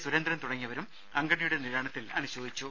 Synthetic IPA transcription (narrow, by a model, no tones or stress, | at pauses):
suɾɐnd̪ɾɐmt̪uɽɐŋːiɐʋɐɾum | ɐŋɡɐɳijuɽe̞niɾaːɳɐt̪ːilɐnuɕo̞ːd̪it͡ɕːu